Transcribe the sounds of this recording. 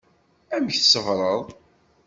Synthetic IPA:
æməçθsəvɾˤəðˤ

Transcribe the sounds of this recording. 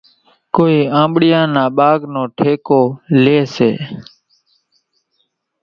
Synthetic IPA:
koːiːãːmɓɽɪjãːnãːɓaːɡnõːʈʰeːkoːleːseː

